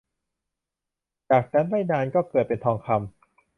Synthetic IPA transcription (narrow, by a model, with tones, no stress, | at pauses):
t͡ɕaː˨˩k̚na˦˥nɾaː˥˩jnaː˧nkɔː˥˩kɤː˨˩t̪̚pe˧nt̪ʰɔː˧ŋkʰa˧m